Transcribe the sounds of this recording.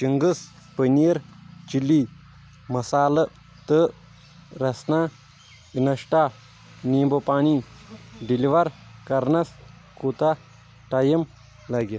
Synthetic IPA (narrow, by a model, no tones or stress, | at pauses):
t͡ʃiŋɡɨs | pənijɐɾt͡ʃilːi | mɐsaːlɐ | t̪ə | ɾɐsna | inɐʂʈa | niːbopaːni | ɖiliʋɐɾkɐɾnɐs | kuːt̪a | ʈɐjɐm | lɐɡɐ